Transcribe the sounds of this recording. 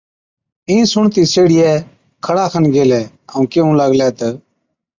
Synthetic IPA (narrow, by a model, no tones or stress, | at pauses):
ĩːsʊɳt̪iːseːɽɪjɛː | kʰəɽaːkʰənɡeːlɛː | əũːkeːũːləɡlɛːt̪ə